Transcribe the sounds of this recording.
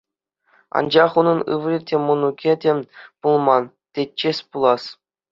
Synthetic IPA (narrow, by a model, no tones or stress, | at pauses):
ɑ̰nd͡ʑɑχunɤ̆nɯ̰ʋɾʲitʲemŏnukʲedʲepulˠmɑn | tʲet͡ɕːesʲpulˠɑs